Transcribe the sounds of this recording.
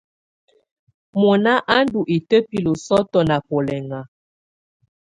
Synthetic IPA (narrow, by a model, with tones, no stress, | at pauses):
mo˨na˦ʔa˦n˦du˨ʔi˨tə˦pi˦lo˨sɔ˦tɔ˦na˨pɔ˨lɛ˨ŋa˨